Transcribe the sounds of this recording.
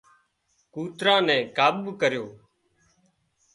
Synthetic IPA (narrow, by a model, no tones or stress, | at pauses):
kuːt̪ɾãːnɛ̃ːkaːbkəɾjoː